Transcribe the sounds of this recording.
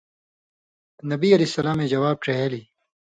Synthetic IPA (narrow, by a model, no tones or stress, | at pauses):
nɐbiɐlisɐlaːmẽːd͡ʑɐwaːb̚ʈ͡ʂeɦeːli